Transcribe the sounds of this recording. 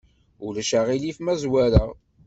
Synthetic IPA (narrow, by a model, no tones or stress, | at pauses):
ulæʃaʁilifmæzwæɾa